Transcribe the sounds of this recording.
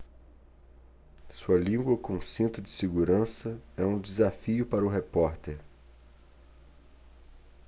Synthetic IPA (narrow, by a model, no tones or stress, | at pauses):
suɐlĩɡwɐkõũsĩnt̪ʊd͡ʒɪseɡuɾɐ̃sɐɛũd͡ʒɪzafiʊpaɾɐʊɦepɔɾt̪eɾ